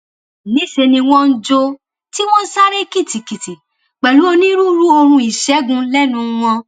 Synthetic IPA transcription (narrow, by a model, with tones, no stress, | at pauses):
nĩ˨˦ʃe˧nĩ˧w̃ɔ̃˦n̩˦d͡ʒo˧ | ti˦w̃ɔ̃˦sa˦ɾe˦ki˦˨ti˨ki˨ti˨ | k͡pɛ˨lu˨˦o˧nĩ˦ɾu˦ɾu˦o˧hũ˧i˨ʃɛ˨˦ɡũ˧lɛ˦nũ˨˧w̃ɔ̃˧